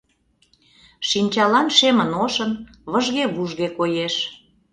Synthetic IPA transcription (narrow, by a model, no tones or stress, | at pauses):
ʃinʲt͡ɕɑlɑnʃemənoʃə̆n | βə̆ʒɣeβuʒɣekojeʃ